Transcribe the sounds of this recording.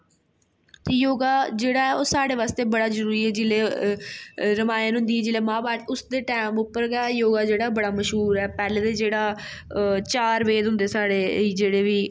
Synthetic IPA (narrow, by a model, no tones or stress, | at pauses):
t̪eːjoːɡaːd͡ʒeːɽaːɛːoːsaːɽeːʋaːst̪eːbəɽaːzəɾuːɾiːɛːd͡ʒɪleː | ɾəmaːjnɦʊ̃nd̪iːɛːd͡ʒɪleːmãːbaːʈʊsd̪eːʈɛːmʊpːəɾɡɛːjoːɡaːd͡ʒeːɽaːbəɽaːməʃɦuːɾɛːpɛːleːd̪eːd͡ʒeːɽaː | t͡ʃaːɾʋeːd̪ɦʊ̃nd̪eːsaːɽeːiːd͡ʒeːɽeːʋiː